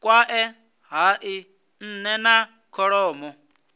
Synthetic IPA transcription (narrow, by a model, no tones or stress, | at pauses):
kʼwaʔɛ | ɦaʔi | n̩nɛna | kʰɔɺɔːmɔ